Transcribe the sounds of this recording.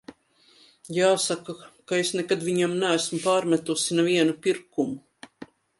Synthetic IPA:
jaːsakakaesnɛkad̪viɲamnæːsmupaːɾmæt̪usinɛviɛnupiɾkumu

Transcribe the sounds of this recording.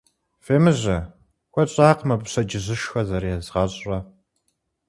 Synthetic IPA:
feːmɨʑɐ | xʷɔɕʼaːqmɐbɕɐd͡ʒɪʑɨʃxɐzɐɾjɛzʁɐɕʼɐ

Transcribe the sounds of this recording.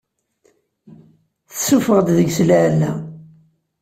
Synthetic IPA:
θsufəʁd̪ðəɡslʕlːæ

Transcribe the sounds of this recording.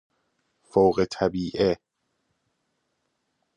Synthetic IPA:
fowɣet̪ʰæbiːʔe

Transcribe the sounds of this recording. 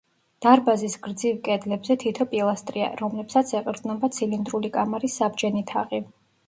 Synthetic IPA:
d̪̥aɾbazisɡɾd̪zivkʼɛd̪lɛbzɛt̪ʰit̪ʰɔpʼilˠast̪ʼɾia̰ɾɔmlɛpsat̪sʰɛqʼɾd̪znɔbat̪sʰilind̪ɾulikʼamaɾisːabd͡ʒɛnit̪ʰa̰ʁʼi

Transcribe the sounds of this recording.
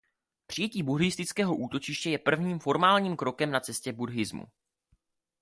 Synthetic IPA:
pr̥ɪjɛciːbuɾɪst̪ɪt͡skɛːɦo̞ʔuːt̪o̞t͡ʃɪʃcɛjɛpr̩vɲiːmfo̞ɾmaːlɲiːmkɾo̞kɛmnat͡sɛscɛbudɦɪzmṵ

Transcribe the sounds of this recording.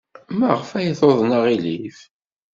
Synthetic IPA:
mæʁfæjəθoðˤnəʁilif

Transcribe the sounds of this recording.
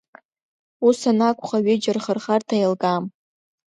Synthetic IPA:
usanakʷʰʼχaɥɪd͡ʒɪrχərχartʰajlɡʼam

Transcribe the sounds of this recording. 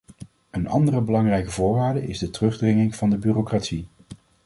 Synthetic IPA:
ənɑ̰ndərəbəlɑŋrɛjkəvʊːɹʋaːɹdəɪzdətərɵχdrɪŋɪŋv̥ɑndəbyːrokratsi

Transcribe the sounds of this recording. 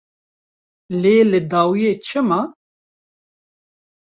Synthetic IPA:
leːlɨd̪aːwijeːt͡ʃʰɨma

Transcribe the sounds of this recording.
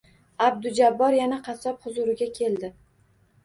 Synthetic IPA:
ab̚d̪ʊd͡ʒabːɒɾjanaqʰɑsɒpχʊzʊɾɪɡʲakʲʰe̞ld̪ɪ

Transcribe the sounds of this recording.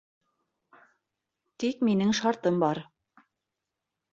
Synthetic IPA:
t̪ikminɘŋʃɑɾt̪ɤmbɑɾ

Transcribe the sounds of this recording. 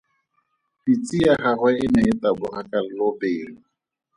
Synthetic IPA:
fit͡sʼiaχarwɛɪnɛɪtabʊrakalɪlopeːlɔ

